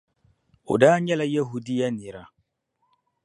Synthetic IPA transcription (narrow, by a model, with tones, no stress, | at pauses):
ʊ̰˨da˦ɲɛ˦la˦jɐ˦ɦu˦di˦ja˦ni˨ɾa˦